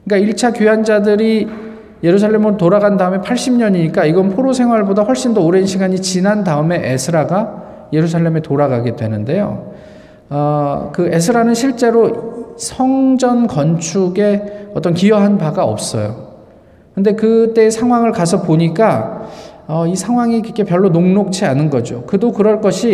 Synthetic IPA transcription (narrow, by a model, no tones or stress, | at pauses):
ɯk͈aiɭt͡ɕʰakjuɦand͡ʑadɯɾi | je̞ɾusʰaɭːe̞mɯɾotoɾaɡandaɯme̞pʰaɭɕ͈imɲʌɲiɲik͈aiɡʌnpʰoɾosʰe̞ŋɦwaɭbodaɸwʌɭɕ͈indooɾe̞nɕʰiɡaɲit͡ɕinandaɯme̞ʔesʰɯɾaɡa | je̞ɾusʰaɭːe̞me̞toɾaɡaɡe̞dwe̞nɯnde̞jo̰ | ʌkɯe̞sʰɯɾanɯnɕʰiɭt͡ɕ͈e̞ɾosʰʌŋd͡ʑʌnkʌnt͡ɕʰuɡe̞ʌt͈ʌnkijʌɦanpaɡaʌ̰p̚s͈ʌ̰jo̰ | kɯnde̞kɯt͈e̞ːsʰaŋɦwaŋɯɭkasʰʌpoɲik͈a | ʌisʰaŋɦwaŋikɯkʰe̞pjʌɭːonoŋnok̚t͡ɕʰianɯnɡʌd͡ʑokɯdokɯɾʌɭk͈ʌɕʰi